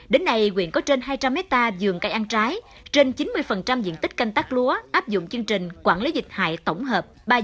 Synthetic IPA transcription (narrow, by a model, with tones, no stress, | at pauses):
ɗe˨˦nːa˧jkwḭ˧˨ənkɔ˨˦t͡ɕe˧nɦaː˧jt͡ɕa˧mːɛ˦˥t̚t̪aː˧zɨ˨˩əŋkaː˧jʔa˧nt͡ɕaː˨˦j | t͡ɕe˧nt͡ɕi˨˦nmɨ˧əjfə˨˩nt͡ɕa˧mzḭ˧˨ənt̪ï˦˥k̟̚ka˧jŋ̟t̪aː˦˥k̚lu˨˦əʔaː˦˥p̚zʊ̰˧˨ŋ͡mt͡ɕɨ˧əŋt͡ɕï˨˩ŋ̟kwaː˧˩nli˨˦zï˨˩k̟̚ha̰ː˧˨jt̪ə˧˩wŋ͡mɦəː˨˩p̚ɓaː˧